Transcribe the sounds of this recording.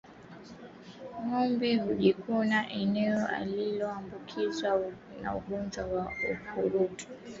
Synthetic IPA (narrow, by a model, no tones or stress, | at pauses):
ŋɔmbihuʄikunaʔɛnɛɔʔa̰lilɔambukʰiza | na̰uɡund͡ʒawaukuɾuti̥